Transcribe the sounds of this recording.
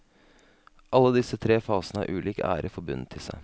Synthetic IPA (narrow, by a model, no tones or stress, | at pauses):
ʔɑlːəd̪ɪsət̪ʰɾeːfɑːsnəæ̰ːɾʔʉːliːkæ̰ːɾʔəfɔɾbʉ̰nət̪ʰɪlsæ̰ɪ